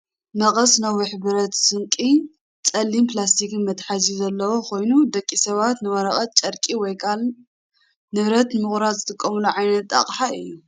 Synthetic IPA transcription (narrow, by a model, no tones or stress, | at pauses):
mɐχʼɐsnɐwːɨħbɨɾɐt̪sɨŋkʼi | t͡sʼɐlːimplast̪ʰikʰɨnmɐt̪ħazizɐlːɐwokʰo̞jnud̪ɐkʼːisɐβat̪nɨwɐɾɐχʼɐt̪̚t͡ʃʼɐɾkʼiwɔjkʰal | nɨβɾɐt̪nmɨχʼɾad̪zɨt̪ʼɨkʼːɐmuluʕajnɐt̪ːʼa̰qʼħaɨ̰jːu